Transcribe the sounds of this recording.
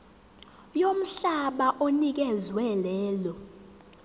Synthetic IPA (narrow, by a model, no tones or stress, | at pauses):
jom̩ɬaɓaʔonik̬ɛzwɛlɛːlɔ